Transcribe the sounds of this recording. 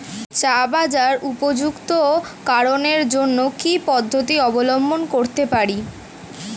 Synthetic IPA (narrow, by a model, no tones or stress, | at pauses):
t͡ɕabad͡ʑaɾupod͡ʑukt̪ookaɾoneɾd͡ʑonːokipɔd̪ʱːot̪̬iɔbolombʱonkoɾt̪epaɾi